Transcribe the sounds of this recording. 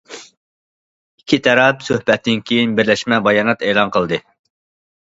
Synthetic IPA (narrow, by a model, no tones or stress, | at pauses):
ikʲʰːit̪ʰɑɾɑpsøhbɛt̪ːɪnkʲʰejinbɪɾlɛʃmɛbɑjɑːnɑt̪eːlˠɑnqʰəlˠd̪ɨ